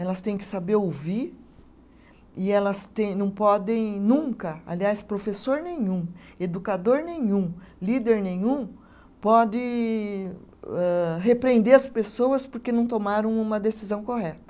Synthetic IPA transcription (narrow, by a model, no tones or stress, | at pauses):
ɛlɐst̪ẽj̃kɪ̥sabeɾowvi | ɪɛlɐst̪ẽj̃nɐ̃w̃pɔd̪ẽj̃nũkɐa̰liaspɾofesoɾnẽɲũed̪ukad̪oɾnẽɲũlid̪eɾnẽj̃ũ | pɔd͡ʒ̪ɪ | ɛɦepɾẽnd̪eɾɐspesowɐspoɾkenɐ̃w̃t̪omaɾɐ̃w̃ũmɐd̪esizɐ̃w̃koɦɛt̪ɐ̥